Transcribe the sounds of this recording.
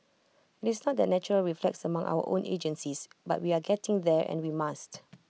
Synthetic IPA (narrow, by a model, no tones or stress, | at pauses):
ɪtɪsnɔt̚d̪ɛt̚nɛt͡ʃəɹəlɹiflɛk̚səmãŋʔa̰wə̰ʔõnḛd͡ʒə̃nsisba̰t̚wiaɡɛtɪ̃ŋdɛɹʔɛ̰̃nwimast